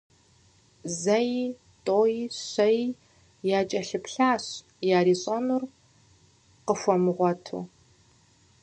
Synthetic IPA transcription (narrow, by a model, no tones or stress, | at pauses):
zɐji | tʼoːjiɕɐj | jaːt͡ʃʼɐɬɨpɬaːɕ | jaːɾiːɕʼɐnur | qəfʷɔmɨʁʷɔtʰṵː